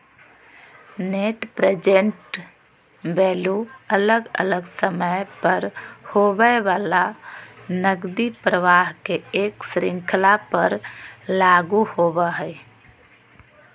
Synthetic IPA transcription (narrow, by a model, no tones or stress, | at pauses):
neʈpɾed͡ʒeɳʈ | beluələɡə̰ləɡsəməpəɾhobəʋaːla | nəɡd̪ipɾəʋaɦkeeksɾɪ̃ŋkʰlapəɾlaɡuhobəɦəj